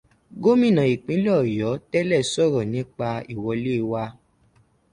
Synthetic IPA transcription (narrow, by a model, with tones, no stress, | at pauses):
ɡo˦mĩ˦˨nã˨i˨k͡pĩ˨˦lɔ˦˨jɔ˨˦tɛ˦lɛ˦˨sɔ˦˨ɾɔ˨nĩ˨˦k͡pa˧i˨wɔ˧le˦˧wa˧